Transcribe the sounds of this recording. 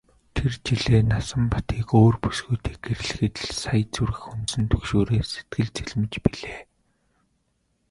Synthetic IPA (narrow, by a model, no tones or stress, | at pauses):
t̪ʰert͡ɕiɮeːnasə̆mpḁt̪iːkoːrpusɡuːt̪iːk̚eɾ̆ɮɘ̆xɘ̆t̪̆ɮsajt͡suɾɘ̆xʊnsɘ̆nt̪ʰɵkʃoːɾeːse̥t̪̚ɡɘ̆ɮt͡sʰiɮmɘ̆t͡ɕpiɮeː